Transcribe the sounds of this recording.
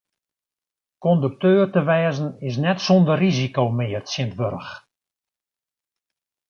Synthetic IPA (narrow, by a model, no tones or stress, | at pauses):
kɔndək̚tøːrtəʋɛːzənɪs̬nɛtsɔndərːizikowmɪːərtsjɪntʋøɾəx